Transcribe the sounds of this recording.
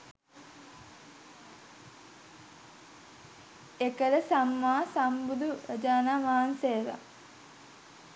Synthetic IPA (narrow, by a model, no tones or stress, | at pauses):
ekələsamːaːsambud̪uɾəd͡ʒaːnaːʋaːanseːʋa̰